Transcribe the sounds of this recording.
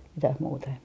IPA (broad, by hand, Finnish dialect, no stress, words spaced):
mitæh muːtɑ em